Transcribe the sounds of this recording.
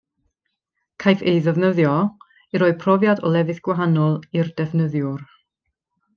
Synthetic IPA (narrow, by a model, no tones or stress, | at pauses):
kʰajθejðəvnəðjɔ | iɾoːɨ̥pʰrɔvjadɔlˠɛvɨθɡ̥waɦanɔlˠird̥ɛvnəðjʊr